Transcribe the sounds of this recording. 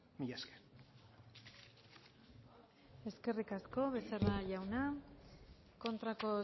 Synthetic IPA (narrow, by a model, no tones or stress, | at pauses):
miʎaske̥ | e̞ske̞rikasko̞βe̞seraʝawna | ko̞nt̪ɾako̞